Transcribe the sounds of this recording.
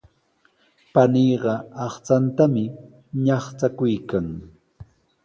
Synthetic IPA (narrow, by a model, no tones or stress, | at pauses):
paniːɢɑɑχt͡sant̪amɪ | ɲɑχt͡sakʊjkaŋ